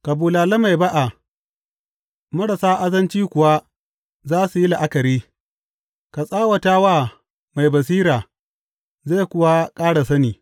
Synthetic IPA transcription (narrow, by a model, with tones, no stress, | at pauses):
ka˨buː˨laː˨lɐ˦ma˨jba˦ʔa˨ | mʊ˦ɽa˨saː˦ʔa˦zɐ˦nt͡ʃiː˦kʷʊ˨wa˦ | zaː˦su˨ji˦la˨ʔa˦kɐ˨ɾiː˦ | ka˨sʼaː˦wɐ˨taː˦waː˦˨ | ma˨jbɐ˨s̬iː˦ɾaː˨ | za˦˨kʷʊ˦wa˦kʼaː˦ɽa˨sɐ˦niː˨